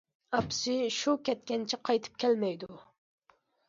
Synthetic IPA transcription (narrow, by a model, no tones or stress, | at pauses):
ɑpsɪʃukʲʰɛt̪̚kʲɛnt͡ʃʰiqʰɑjt̪ʰɨ̥p̚kʲʰɛlmɛjd̪u